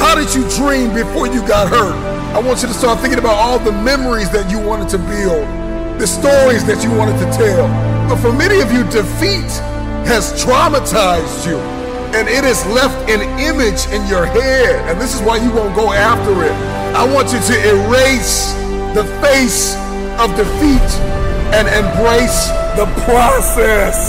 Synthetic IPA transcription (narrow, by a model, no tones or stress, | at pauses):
haʊɾɨd͡ʒɨdɹĩmbɨfɔɹjɨɡɑt̚hɜ˞ɾ | aɪwɑ̃nt͡ʃɨɾɨstɑɹt̪̚θɪ̃ŋkɪ̃ŋəbaʊɾɔlˠðəmɛmə˞izðɨt͡ʃɨwɑ̃ñɨd̚tʰɨbilˠ | ðɨstɔɹizðɨt͡ʃɨwɑ̃ɾ̃ɨd̚tʰɨtʰɛlˠb̥ʌtfə˞mɛñiʌvjɨdɨfit̚ | hɨz̥tʰɹ̥ɑmətʰaɪzd͡ʒɨ | ɨ̃nɪɾɨzlɛftɨ̃n | ɪ̃mɪd͡ʒɨ̃njə˞hɛdɨ̃nðɪsəzwaɪjɨwõʊ̃nɡ̥oʊæftə˞ɪt̚ | aɪwɑ̃nt͡ʃɨɾɨʔɪ̃ɹeɪs | ðɨfeɪs | ʌvdɨfiɾɨ̃nɨ̃mbɹeɪsðəpʰɹ̥ɑsɛs